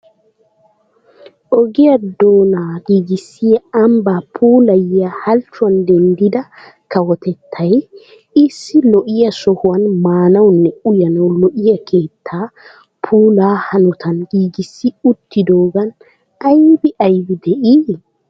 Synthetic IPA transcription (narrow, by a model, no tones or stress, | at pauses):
ʔɔɡiɐd̪oːnaɡiːɡisːijaɐmbaːpʰuːlɐjahɐlt͡ʃʊand̪ɛnd̪id̪ɐ | kɐwɔt̪ɛt̪ʰːɐj | ɪsːilɔʔɪjɐsɔhʊɐnmaːnɐwnːɛujɐnɐwlɔʔɪjɐkʰeːt̪ʰːaː | pʰuːlaːhɐnɔt̪ʰɐnɡiːɡisːiut̪ːid̪oːɡɐn | ajbiʔɐjbid̪ɛʔiː